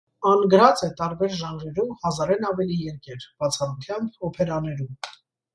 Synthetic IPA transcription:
ɑnɡəɾɑt͡sɛt̪ɑɾbɛɾʒɑnɾɛɾumhɑzɑɾɛnɑvɛlijɛɾkɛɾb̥ɑt͡sʰɑrut̪ʰjɑmbɔpʰɛɾɑnɛɾum

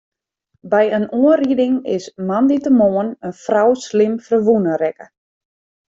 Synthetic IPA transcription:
bɛjənuəridɪŋɪ̰smanditəmoːənənfrawslɪmfərʋunərɛkə̥

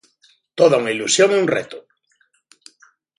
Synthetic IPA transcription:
t̪oðauŋailusjoŋunrḛt̪ʊ

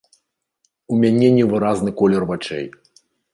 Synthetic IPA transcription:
umʲanʲɛnʲɛvɨɾaznɨkɔlʲɛrvat͡ʂɛ̰j

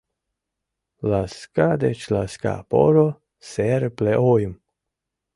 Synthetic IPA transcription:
laskad̪et͡ʃlaska̰po̰ɾo | sɛɾepleʔojum

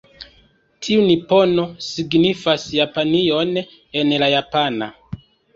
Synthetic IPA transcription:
tʰiunipo̞no̞siɡnifasjapanio̞n | e̞nlajapana̰

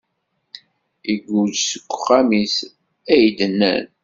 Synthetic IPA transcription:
iɡʷud͡ʒsə̥kʷːχæmis | æjd̪ənːæ̰n

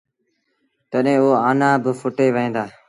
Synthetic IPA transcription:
t̪əɗɦẽːoːaːnãːbəfʊʈeːʋəẽːnd̪aː

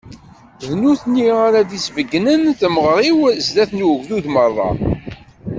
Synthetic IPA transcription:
ðnuθniaɾaðisvəɡːnənθəməʁɾˤiwzðæθnwəʝðuðmərˤːɑ̰

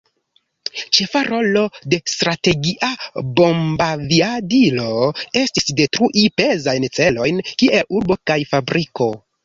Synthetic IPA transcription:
t͡ʃe̞faɾʔo̞lo̞de̞stɾate̞ɡiʔabo̞mbaviadilo̞e̞stisde̞tɾuʔipe̞zajnt͡se̞lo̞jnkiʔe̞luɾbo̞kajfabɾʔiko̞

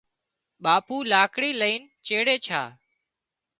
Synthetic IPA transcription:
ɓaːpuːlaːkɽiːləiːn | t͡ʃeːɽeːt͡ʃʰa̰ː

